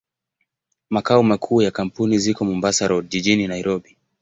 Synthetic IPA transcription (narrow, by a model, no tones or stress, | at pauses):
makaɔmakʰuːjakam̩punizikɔmɔmbasaɾɔʄiʄininaiɾɔɓi